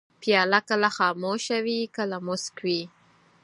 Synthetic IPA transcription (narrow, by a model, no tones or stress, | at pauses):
pjɑlakəlaxɑːmoʃawikəlamʊskwi